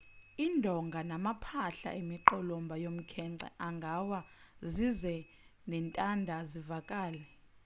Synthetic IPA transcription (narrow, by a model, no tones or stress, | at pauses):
indʱɔŋɡʱanamapʰaɬa̰ʔemiǃɔlɔmbʱajom̩kʰɛǀʱɛ̰ʔaŋɡʱawa | zizɛ | nɛntʼandʱazivakʼaːlɛ